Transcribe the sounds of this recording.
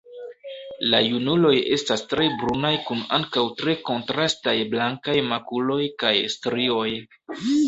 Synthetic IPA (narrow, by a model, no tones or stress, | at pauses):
lajunulo̞je̞stastɾe̞bɾunajkunaŋkawtɾe̞ko̞ntɾastajblaŋkajmakulo̞jkajstɾio̞j